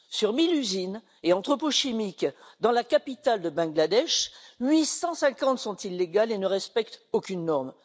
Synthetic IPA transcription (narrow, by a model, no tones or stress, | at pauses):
syʁmilyzin | eɑ̃t̪χəpoʃimikd̪ɑ̃lakapit̪ald̪əbɛ̃ɡlad̪ɛʃɥisɑ̃sɛ̃kɑ̃t̪sɔ̃t̪ilːeɡalenəʁɛspɛk̚t̪okʲynːɔʁm